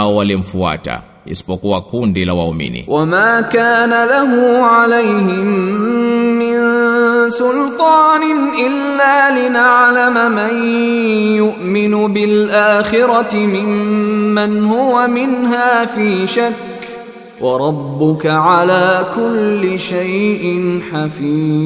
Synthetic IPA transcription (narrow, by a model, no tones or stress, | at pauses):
ɔwalim̩fua̰ta̰ | ḭsi̥pɔkuwakundilawaumḭnḭwʔamaːkaːnalaɦʊʕalajhɪmmː | ɪnsʊlt̪ˤɑːnɪnʔɪlːaːlɪnaʕlamaman | jʊʔmɪnʊbɪlʔaːxɪɾɑɪmɪmːanhʊwamɪnɦaːfiːʃakː | wʔɑɾˤɑbːʊkaʕalaːkʊlːɪʃajʔɪnħafiː